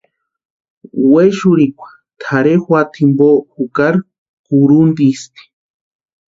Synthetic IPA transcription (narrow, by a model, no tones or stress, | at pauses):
weʃuɾikʷḁ | t̪ʰaɾexwat̪ʰimboxukaɾ | kuɾund̪ist̪i̥